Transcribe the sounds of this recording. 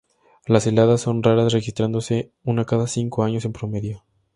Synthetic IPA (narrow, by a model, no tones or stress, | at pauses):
lase̞laðasːo̞nraɾasre̞xist̪ɾand̪o̞se̞ | unakaðasiŋko̞aɲo̞se̞mpɾome̞ðjo̞